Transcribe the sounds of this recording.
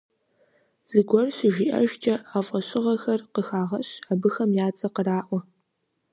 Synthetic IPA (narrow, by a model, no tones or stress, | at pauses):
z̥ɨɡʷɔrɕɪʒiːʔɐ̰ʒt͡ʃʼɐaːfʼɐɕʼɪʁɐxɐrqəxaːʁɐɕaːbɨxɐmjaːt͡sʼɐqəraːʔʷɔ